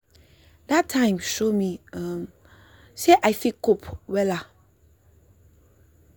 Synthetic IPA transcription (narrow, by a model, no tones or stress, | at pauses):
datʰːãɪ̃mʃomiãm | seʔaɪfikopwɛla